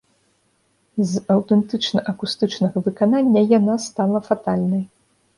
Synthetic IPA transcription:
zɐwt̪ɛnt̪ɨt͡ʂnɐʔɐkust̪ɨt͡ʂnɐɣɐvɨkananʲːɐjanast̪alˠɐfat̪alʲnɐj

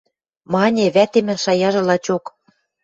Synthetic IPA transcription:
mɑnʲeβæt̪emɘ̆nʃɑjɑʒɤ̆lɑt͡ɕok

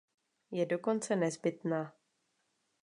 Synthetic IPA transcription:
jɛdo̞ko̞nt͡sɛnɛzbɪt̪naː

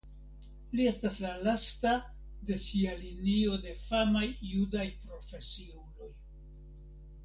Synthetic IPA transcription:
lie̞staslalasta | de̞sialinio̞de̞famajːudajpɾo̞fe̞siulo̞j

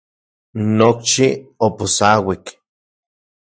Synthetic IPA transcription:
nok̚t͡ʃioposawik

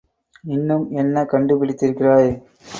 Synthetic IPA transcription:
ɪnːɯmɛnːɐkɐɳɖɯpɪɽɪt̪ːɪɾɯkːɪraːj

